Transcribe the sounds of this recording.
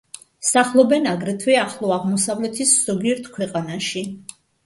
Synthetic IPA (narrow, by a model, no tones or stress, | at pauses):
saχlˠɔbɛnaɡɾɛt̪ʰwɛaχlˠɔaʁmɔsavlɛt̪ʰisz̥ɔɡiɛɾt̪ʰkʰwɛqʼanaʃi